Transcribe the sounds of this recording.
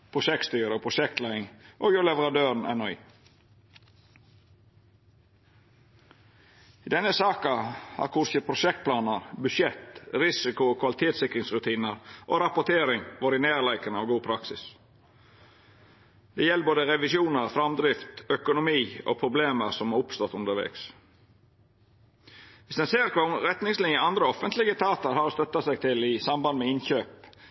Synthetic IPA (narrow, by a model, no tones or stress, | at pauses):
pʰɾʊʃɛk̚t̪st̪yːɾəoːpʰɾʊʃɛkt̪læɪɪŋʔoːjʊlɛʋəɾɑd̪øːɾn̩ʔæ̰nɔɪː | iːd̪ɛnəsɑːkɑhɑ̰ːɾkʰʊɾçəpʰɾʊʃɛk̚t̪̚pʰlɑːnəɾbʉʃjɛt̪ɾɪsɪkʊoːkʰʋɑlɪt̪ʰeːt̪sɪkɾɪŋsɾʉt̪ʰiːnəɾʔo̰ːɾɑpʊt̪ʰeːɾɪŋʋoɾɪneːlæɪkənɑʋɡuːpʰɾɑksɪ̰s | d̪̥ɛjɛlːboːd̪əɾɛʋɪsuːnəɾfɾɑmd̪ɾɪft̪œkʊnʊmiːo̰pʰɾʊbleːməɾsɔmɑɾʊpst̪ɔt̪ʉnd̪əɾʋɛ̰ːks | ʋɪsd̪ɛnseːɾkʰɑɾɛt̪nɪŋslɪnjəɑnd̪ɾəɔfənt̪ʰlɪɡət̪ʰɑːt̪əɾhɑɾɔst̪œt̪ːɑsæɪɡ̚t̪ʰɪlɪsɑmbɑnd̪əmɛɪnçøːp